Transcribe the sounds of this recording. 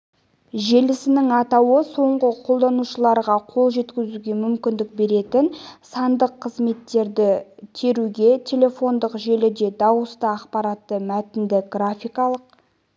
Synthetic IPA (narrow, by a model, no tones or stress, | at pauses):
ʒe̞lɪsɪnɪŋɑt̪ɑwəso̞ɴʁəqʰo̞lˠd̪ɑnuʃəlˠɑɾʁɑqʰo̞lˠʒe̞t̪kʲɪzuɡʲe̞mʏmkʲɪnd̪ɪk̚be̞ɾe̞t̪ɪnsɑnd̪əqʰːəzme̞t̪ːe̞ɾd̪ɪt̪ʰe̞ɾuɡʲe̞t̪ʲʰe̞lʲe̞fo̞nd̪əqʒe̞lɪd̪e̞d̪ɑwəst̪əɑqpɑɾat̪ːəmæt̪ɪnd̪ɪɡrafʲijkɑlˠəq̚